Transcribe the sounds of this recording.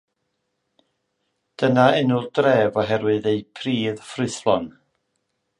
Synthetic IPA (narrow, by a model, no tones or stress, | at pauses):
d̥ənaɪnʊlˠdrɛːvɔɦɛɾwɨðejpʰriːðfrɨθlˠɔn